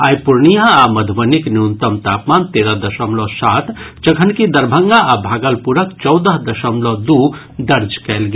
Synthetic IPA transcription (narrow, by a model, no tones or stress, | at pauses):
a̰ːjpuɾnijaamɐd̪ʱʋənikniunt̪əmt̪aːpmaːnt̪eːɾəɦd̪ɐʃəmlɔsaːt̪t͡ʃɐɡʰʱənkid̪ɐɾbʱəŋɡaabʱaːɡəlpuɾəkt͡ʃɔwd̪əɦd̪ɐʃəmlɔd̪u | d̪ɐɾd͡ʒkɛlɡe